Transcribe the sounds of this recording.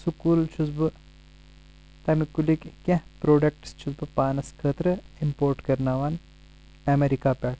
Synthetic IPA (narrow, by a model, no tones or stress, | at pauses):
sukuːlt͡ʃʰusbɨ | t̪ɐmikulikkɐ̃pɾoːɖɐk̚ʈst͡ʃʰusbɨpaːnɐskʰəːt̪ɾɐimpoːɾʈkɐɾnaːʋan | ɐmeɾikaːpɛːʈ